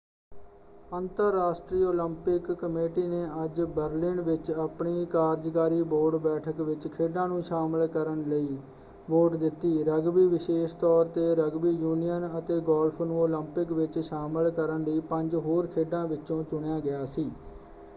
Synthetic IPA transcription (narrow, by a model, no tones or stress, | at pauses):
ənt̪əɾːaːsʈɾiːoːləmpɪkːəmeːʈiːneːəd͡ʒbəɾlɪnʋɪt͡ʃəpɳiːkaːɾd͡ʒkaːɾiːboːɖbɛːʈʰəkʋɪt͡ʃkʰeːɖãːnũːʃaːməlkəɾənləiː | boːʈd̪ɪt̪ːiːɾəɡʋiːʋɪʃeːʃt̪ɔːɾt̪eːɾəɡbiːjuːnijənət̪eːɡɔːlpʰnũːoːləmpɪkʋɪt͡ʃʃaːməlkəɾənləiːpə̃ɲd͡ʒɦoːɾkʰeːɖãːʋɪt͡ʃːõːt͡ʃʊɳjãːɡɪjaːsiː